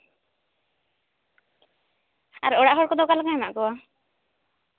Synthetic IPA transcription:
a̰ɾɔɽaʔɦɔɹkɔd̪ɔkalakaɛma̰ʔkɔwa

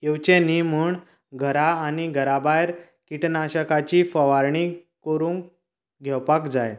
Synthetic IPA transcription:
jewt͡ɕenimuːɳ | ɡʱəɾaːniɡʱəɾabajɾ | kiʈnaɕəkat͡ɕiːfəʋaɾɳikəɾũːŋ | ɡʱɛwpakd͡zaj

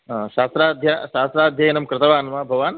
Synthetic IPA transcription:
ɦaʃaːst̪ɾaːd̪ʱjaʃaːst̪ɾaːd̪ʱjɐjɐnɐmkɾɪt̪ɐʋaːnɐmabʱɐʋaːn

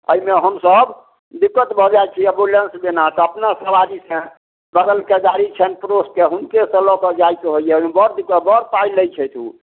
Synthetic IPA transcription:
ə̰ɦimeɦəmsəb | d̪ikːət̪bʱɔd͡ʒajt͡ʃʰiəbulensbenat̪ɔəpnasəbaɾisə̃ | bəɡ̪əlked͡ʒaɾit͡ʃʰɛnpɾoskeɦunkesə̃lɔkəd͡ʒaikeɦojjɛmbəɾd̪ikːəbəɾpailəjt͡ʃʰɛjt̪ʰu

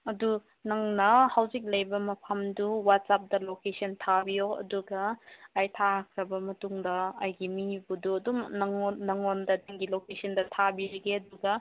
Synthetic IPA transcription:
ɐdu | nɐŋnɐhawzik̚lɐjbɐmɐpʰɐmduwat̚sap̚dɐlokesɐntʰabijoɐ̰duɡɐːjtʰaɦakʰɾɐbɐmɐtuŋdɐːjɡimibuduɐdumnɐnɐŋondɐdaŋɡilokesʰɐndɐtʰabiɾɐɡeɐduɡɐ

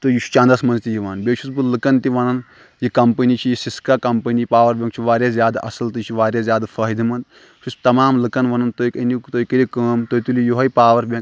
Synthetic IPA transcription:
t̪ɨjut͡ʃʰt͡ʃɐ̃ːnd̪ɐsmɐnzt̪ijiʋaːnbʲeːt͡ʃʰusbɨlɨkɐnt̪iʋɐnɐn | jikɐmpɐnit͡ʃʰijisiskaːkɐmpənijipaːʋɐɾbʲɐ̃ŋkt͡ʃʰiʋaːɾʲjazʲjaːd̪aʔɐ̰sɐlt̪ɨt͡ʃʰiʋaːɾʲjazʲjaːd̪afʰɐɦid̪imɐnd̪ | t͡ʃʰust̪ɐmaːmlɨkɐnʋɐnɐnt̪ojikɐnit̪oːikɐɾʲikəːmt̪oːjt̪ulijoɦɐjpaːʋɐɾbʲɐ̃ŋk

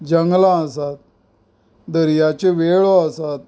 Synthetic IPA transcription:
d͡ʑəŋɡlãəsat̪̚ | d̪əɾjat͡ɕeʋeɭoəsat̪̚

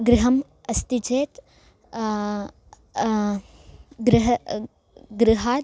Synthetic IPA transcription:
ɡɾɪɦɐm | ɐst̪id͡ʒeːt̪ | ɡɾɪɦɐ | ɡɾɪɦaːt̪

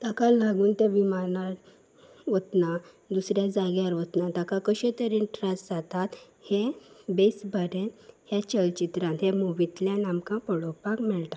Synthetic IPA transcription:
t̪akalaɡuːnt̪ɛ̃ʋimanaɾ | ʋət̪na | d̪usɾjad͡zaɡjaɾʋət̪nat̪akãkəɕet̪əɾinʈɾãsd͡zat̪at̪ | hẽbesbʱəɾẽnhjãt͡ɕəlt͡ɕit̪ɾãnɦɛ̃muʋit̪ljãnamkãpəɽɔpakmɛɭt̪ḁ

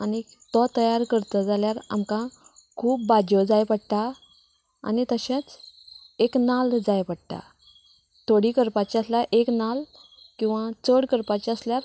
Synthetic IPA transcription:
ani | t̪ɔt̪əjaɾkəɾt̪əd͡zaljaɾa̰mkãkʰuːp̚bad͡ʑɔd͡zajpəɽt̪a | a̰nit̪əɕãt͡s | eknald͡zajpəɽt̪a̰ | t̪ʰoɽikəɾpat͡ɕiaslaʔeknal | kĩw̃ʋat͡səɽkəɾpat͡ɕiasljaɾ

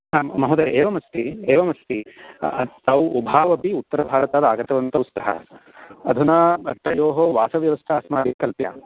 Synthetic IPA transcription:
ɦaːmɐɦud̪ɐɾʔeːʋɐmɐst̪ieːʋɐmɐst̪i | t̪awubʱaːʋɐpiut̪ːɐɾɐbʱaːɾɐt̪aːd̪ɐaːɡɐt̪ɐʋɐnt̪ɐwust̪ɐɦɐ̰ɐd̪ʱunaɐʈːɐjoːɦoʋaːsɐʋjɐʋɐst̪ʰɐːsmaːd̪ikɐlpja̰ː

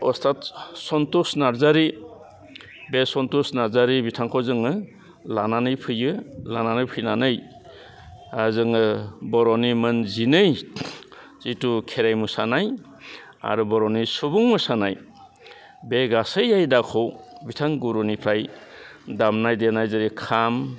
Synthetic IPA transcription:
ɔstʰatsɔntusnaɾzaɾi | besɔntusnaɾzaɾibitʰaŋkʰɔzɯŋɯ | lananɯjpʰɯjɯlananɯjpʰɯjnanɯj | azɯŋɯbɔɾɔnimɯnzinɯj | zitukʰeɾajmusanaj | a̰ɾubɔɾɔnisubuŋmusanaj | beɡasɯjajdakʰɔwbitʰaŋɡuɾunipʰɾaj | damnajdenajzaɾikʰam

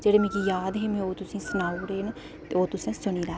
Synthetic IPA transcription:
d͡ʒeːɽeːmɛ̃ːkijaːd̪ɦeːmɛ̃ːoːt̪ʊsĩːsʊnaːuɾeːn | t̪eːoːt̪ʊsẽːsʊɳiːɾɛː

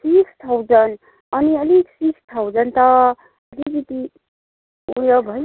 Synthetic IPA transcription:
sikst̪ʰawd͡zʌn | ʌniʌliksikst̪ʰawd͡zʌnt̪ʌ | ʌlikit̪i | uɽjʌbʱʌ

